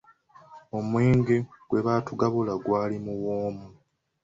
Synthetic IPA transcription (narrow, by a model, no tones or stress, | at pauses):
o̞mweːŋɡeɡwe̞βaːtuɡaβolaɡwaːlimuwoːmu